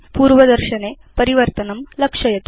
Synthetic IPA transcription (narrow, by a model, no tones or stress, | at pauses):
puːɾʋɐd̪ɐɾʃɐne | pɐɾiʋɐɾt̪ɐnɐmlɐkʂɐjɐt̪